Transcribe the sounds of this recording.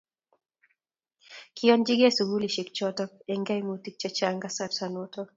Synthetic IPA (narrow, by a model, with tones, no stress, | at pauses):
kʰiɔ˦nd͡ʒi˦ɡe˦su˨ɡu˦li˨ʃi˨k̚t͡ʃɔtɔ˦k̚ɛŋɡa˦jmuti˦k̚t͡ʃa˦t͡ʃaŋɡasaɾsanotɔ